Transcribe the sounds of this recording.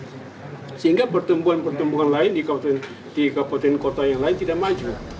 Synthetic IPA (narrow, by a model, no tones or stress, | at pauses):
səɦiŋɡapərt̪əmbuɦanpərt̪əmbuɦanlaɪndika | dikapat̪ɛnkot̪ajaŋlaɪnt̪idaʔmad͡ʒu